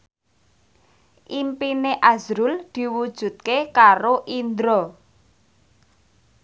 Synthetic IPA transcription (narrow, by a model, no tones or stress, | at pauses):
ʔimpineʔazɾuld̪̥i̤wud̥ʒ̥ṳt̪̚kekaɾoʔind̪ɾɔ